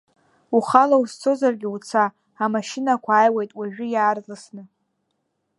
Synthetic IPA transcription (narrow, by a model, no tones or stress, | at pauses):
uχalaust͡sʰo̞zarɡʲɪut͡sʰaː | maʃɪnakʷʰaaːjwejtʼwaʒᶣʊjaːrzasnɨ